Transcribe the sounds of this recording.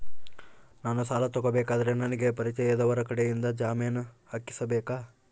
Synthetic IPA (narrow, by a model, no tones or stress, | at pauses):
naːnusaːlɐt̪ɔɡobɛːkaːd̪ɐɾenɐnɐɡe̞pɐɾit͡ʃɛjɐd̪ɐʋɐɾɐkɐɽejind̪ɐd͡ʒaːmijɐnuhakːi̥sɐbɛːkaː